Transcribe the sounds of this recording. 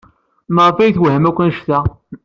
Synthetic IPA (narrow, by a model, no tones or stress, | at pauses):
məɾˤfæjθwhəmækʷːænʃθæ